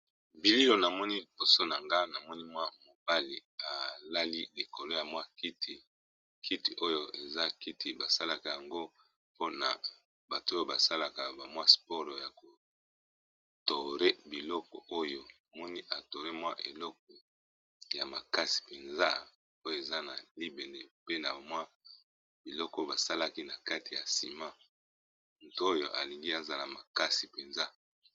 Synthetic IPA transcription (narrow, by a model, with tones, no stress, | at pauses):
bi˨li˦jo˨na˨mɔ˦ni˦˨bo˨so˦na˨ŋɡa˦na˨mɔ˦ni˦mwa˦mo˨b̥a˦li˨a˨la˦li˦li˨ko˨lo˦ja˨mwa˦ki˦tʰi˨ | kʰi˦ti˨ʔo˦jo˦e˨za˦ki˦ti˨ba˨sa˦la˨ka˨ja˨ŋɡo˦ | po˦na̰˨ | ba˨tu˦jo˦ba˨sa˦la˨ka˨ba˨mwa˦spɔ˦ʁɔ˨ja˨ko˨ | to˨ʁe˦bi˨lɔ˦kɔ˨o˦jo˦˨mɔ˦ni˦ʔa˨to˨ʁe˦mwa˦ʔe˨lɔ˦k̚ɔ˨ | ja˨ma˨ka˦si̥˨pe˨nza˦ | o˦jo˦˨e˨za˦na˨li˦bɛ˨nde˨pe˦na˨a˨mwa˦ | b̥i˨lɔ˦kɔ˦ba˨sa˦la˦ki˦na˨ka˦ti˨ja˨si˨ma˦ | mo˨tu˦o˦jo˦ʔa̰˨li˨ŋɡi˦a˦˨za˨la˨ma˨ka˦si˨pe˨nza˦